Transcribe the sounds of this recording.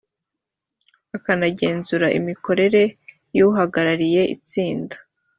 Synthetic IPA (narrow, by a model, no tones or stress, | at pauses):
akanaɟe̞ːnzuɾaʔḭmiko̞ɾe̞ɾe̞ | juɦaɡaɾaɾije̞ʔḭt͡siːndḁ